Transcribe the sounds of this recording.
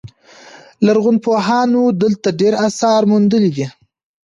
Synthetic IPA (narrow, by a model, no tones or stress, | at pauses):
laɾɣʊnpoɦɑnod̪əlt̪aɖeɾasɑɾmund̪əlid̪i